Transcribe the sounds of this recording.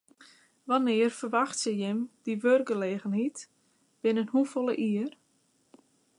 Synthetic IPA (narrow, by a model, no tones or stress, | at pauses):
ʋanɪərfərʋaxtsəjɪmd̥iʋørɡəleːɣənhit | b̥ɪnənhufɔlˠəʔiər